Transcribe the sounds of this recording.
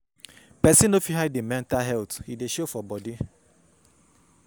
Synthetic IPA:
pɛsĩnofiɦaɪdemɛ̃ntaɦɛlthideʃofɔbɔdi

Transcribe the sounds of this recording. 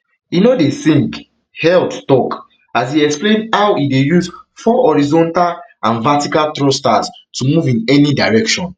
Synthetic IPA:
inodesĩŋk | hɛldtɔk | asiɛksplẽndhawidejuzfɔɔɹizɔ̃ntalʔãnvatikaltɹostastumuvĩnɛnidaɹɛkʃɔ̃n

